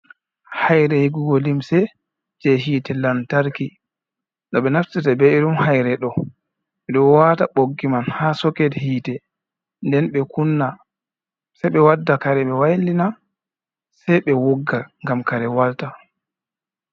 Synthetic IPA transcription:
hajɾɛhiɡuɡɔlimsɛ | d͡ʒɛɦiːtɛlantaɾki | ɗɔɓɛnaftitabɛiɗumhajɾɛɗɔ | ɛɗɔwataɓoɡːimanhaːsɔkɛdhiːtɛ | ndɛnɓɛkunːa | sɛjɓɛwadːakaɾɛɓɛwajlina | sɛjɓɛwoɡːaŋɡamkaɾɛwalta

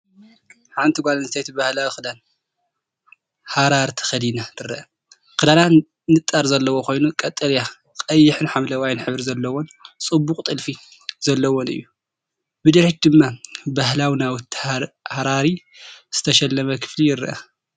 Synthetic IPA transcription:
ħant̪ʰiɡʷalɐnzɨt̪ʰajt̪ʰibahlawixɨd̪an | haɾaɾt̪ʰɐ̥xɐd̪inat̪ʰɨɾɐʔɐ | kɨd̪ana | nɨt̪ʼːaɾzɐlːɐwo̞kʰo̞jnukʼɐt̪ʼɐlja | kʼɐjːɪħɨnħamlɐwajnħɨβɾzɐlːɐwont͡sʼɨbːʊkʼt̪ʼɨlfi | zɐlːɐwonɨ̰jːu | bɨd̪ɐɾet͡ʃd̪ɨmːabaɦlawinawt̪ːhaɾaɾi | z̥ɨt̪ʰɐʃɛlːɐmɐkʰɨ̥flijɪɾʔɐ

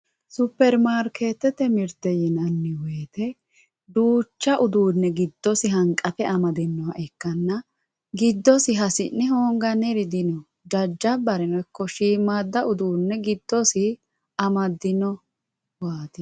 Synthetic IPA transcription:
sʊpːɛɾmaːɾkʰeːt̪ːɛt̪ɛmɪɾt̪ɛjɪnɐnːɪweːt̪ɛ | d̪uːt͡ʃːɐʔʊd̪uːnːɛɡɪd̪ːɔsɪɦɐŋkʼɐpɛɐmɐd̪ɛnːɔwɐʔɛkːɐnːɐ | ɡɪd̪ːɔsɪɦɐsɪnːɛɦoːŋɡɐnɛɾɪd̪ɪnɔ | d͡ʒɐd͡ʒːɐbɐɾɛnɔkːɔʃiːmaːd̪ːɐʔʊd̪uːnːɛɡɪd̪ːɔsɪ | ɐmɐd̪ɪnɔ | waːt̪ɪ

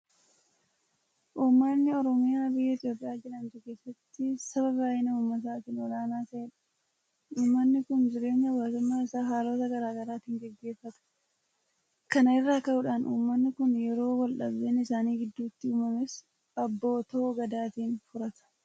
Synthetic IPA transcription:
ʔuːmːɐnːɪɔɾɔmɪjaːbɪjːɐɪt̪jo̞ːpʼɪjaːd͡ʒɪlɐnt̪ʊke̞ːsːɐt̪ːɪsɐβɐbaːjɪnɐuːmːɐt̪̬aːt̪iːnɔlaːnaːt̪ɐʔeᶑɐ̥ | uːmːɐnːɪkʊnd͡ʒɪɾe̞ːɲːɐwaːt̪ʊmːaːɪsaːɦaːlo̞ːt̪ɐɡɐɾaːɡɐɾaːt̪iːŋɡɛɡːe̞ːfːɐt̪ɐ̥ | kɐnɐɪrːaːkɐʔʊᶑaːnʔṵːmːɐnːɪkʊnjɛɾo̞ːwɐlʔɐ̰bdeːnɪsaːniːɡɪd̪ːuːt̪ːɪʊmɐmes | ʔɐbːo̞ːt̪oʔɡɐd̪aːt̪iːnfʊɾɐt̪ɐ̥

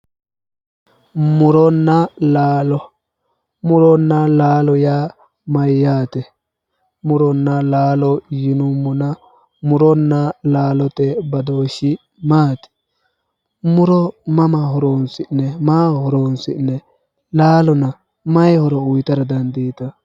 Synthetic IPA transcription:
mʊɾɔnːɐlaːlɔ | mʊɾɔnːɐlaːlɔjaː | mɐjːaːt̪ɛ | mʊɾɔnːɐlaːlɔjɪnʊmːʊnɐ | mʊɾɔnːɐlaːlɔt̪ɛbɐd̪oːʃɪ | maːt̪ɛ̥ | mʊɾɔmɐmɐɦɔɾoːnsɪnːɛmaːhɔɾoːnsɪnːɛ | laːlɔnɐ | mɐjhɔɾɔʊjt̪ɐɾɐd̪ɐnd̪iːt̪ɐ

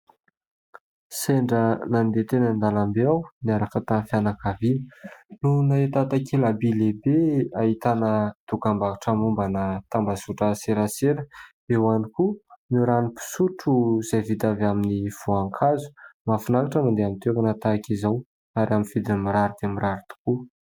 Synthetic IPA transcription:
seɳɖ͡ʐənand̪et̪enənd̪alambeawniaɾakat̪afjanakavinənunaet̪at̪akʰelabilebeait̪anət̪ukambaaʈ͡ʂəmumbanət̪ambasuʈ͡ʂəseɾaseɾəbewanikumiɾanipi̥suʈ͡ʂuz̥ajvid̪avaminiv̥oaŋkʰazu̥mafinakaʈ͡ʂəmand̪eamint̪ekənat̪akizaw | aɾiaminv̥id̪inimiɾaɾud̪emiɾaɾit̪u̥ku

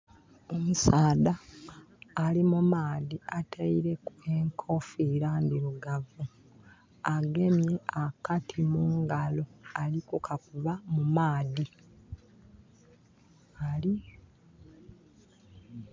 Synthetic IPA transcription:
omusaːðaː | limumaːðiʔatʰaiɾe̞kueŋkʰo̞fiɾand̪iɾuɡavu | aɡe̞mjeakatʰimuːŋɡalo̞alikukʰakuβamumaːði | ali

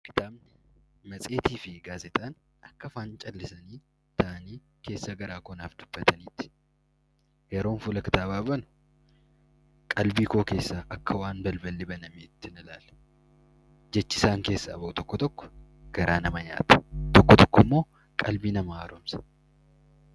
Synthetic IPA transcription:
kɪ̥t̪aːbnɪmɐt͡sʼe̞ːt̪iːfɪɡaːzɛt̪ʼaːn | ɐkːɐfaːnt͡ʃʼɐlːɪsɐniː | t̪ɐʔɐniː | ke̞ːsːɐɡɐɾaːkʊnaːfd̪̥ʊbːɐt̪ʰɐniːt̪ɪ̥ | jɛɾo̞ːnfulɐkɪt̪aːbaːbɐnʊ̥ | kʼɐlbiːkoːke̞ːsːaʔɐkːɐwaːnbɐlbɐlːɪbɐnɐmit̪ːɪnɪlaːl | d͡ʒɛt͡ʃːɪsaːŋke̞ːsːɐːbɐʔʊt̪ɔkːɔt̪ɔkːɔ̥ɡ̥ɐɾaːnɐmɐɲa̰ːt̪ɐ̥t̪ɔkːɔt̪ɔkːɔmːo̞ː | kʼɐlbiːnɐmɐaːɾomsɐ̥

